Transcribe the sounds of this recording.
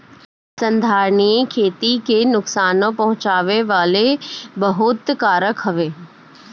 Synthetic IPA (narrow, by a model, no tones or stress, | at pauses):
sɐ̃nd̪ʱaːɾɳiəkʰeːt̪ikenʊksaːnõpɐɦʊ̃t͡ʃaːʋeʋaːlebɐɦʊt̪kaːɾəkɦɐʋeː